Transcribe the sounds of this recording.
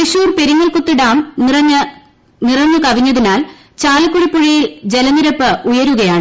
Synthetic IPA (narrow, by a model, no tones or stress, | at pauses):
t̪iʂuːrpe̞ɾiŋːɐlkut̪ːiɽaːmrɐɲːɐ | nirɐɲːukɐʋiɲːɐðinaːl | t͡ɕaːlɐkːuɻipːoɻijild͡ʑe̞lɐniɾɐpːɨujɐɾuɣɐjaːɳɨ